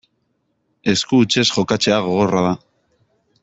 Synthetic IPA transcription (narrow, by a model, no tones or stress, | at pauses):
e̞skuːt͡ʃe̞sxo̞kat͡se̞aɣ̞o̞ɣ̞o̞raða